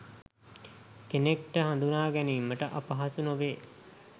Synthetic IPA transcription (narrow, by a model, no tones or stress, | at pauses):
kenek̚ʈəɦand̪unaːɡæniːmːəʈəʔapaɦasunoʋeː